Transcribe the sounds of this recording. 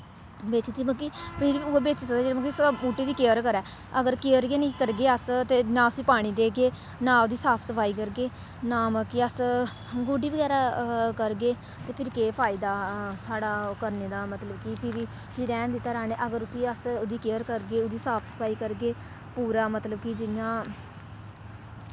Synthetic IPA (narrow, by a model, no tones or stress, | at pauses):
beːt͡ʃeiːməkipniːɾiːiʊbeːt͡ʃːsəkd̪ed͡ʒeːɽeməkisbuːʈeːd̪iːkeːəɾkəɾɛː | əɡəɾkeːəɾɡeːniːkəɾɡeːəst̪eːnãːʊsiːpaːɽ̃iːd̪eːɡeː | nãːʊd̪iːsaːpʰsəpʰaːiːkəɾɡeː | naːməkiəs | ɡoːɖiːbəɡɛːɾaːkəɾɡeː | t̪eːpʰɪɾkeːpʰaːɪd̪aːsaːɽaːkəɾneːd̪aːmət̪ləbkipʰɪɾi | pʰɪɾɛːnd̪ɪt̪ːaːɾaːneːʔəɡəɾʊsĩːəsʊd̪iːkeːəɾkəɾɡeːʊd̪iːsaːpʰsə̥pʰaːiːkəɾɡeː | puːɾaːmət̪ləbkid͡ʒɪjãː